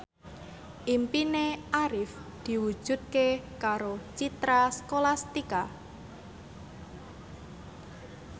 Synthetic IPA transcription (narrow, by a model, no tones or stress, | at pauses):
ʔimpineʔaɾɪf | d̪̥i̤wu̥ʒ̥ṳt̪̚kekaɾot͡ʃit̪ɾaskolast̪ika